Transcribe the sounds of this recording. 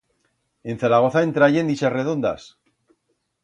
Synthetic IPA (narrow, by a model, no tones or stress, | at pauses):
e̞n̟θaɾaɣo̞θaent̪ɾaʝe̞nd̪it͡ʃasre̞ðo̞nd̪a̰s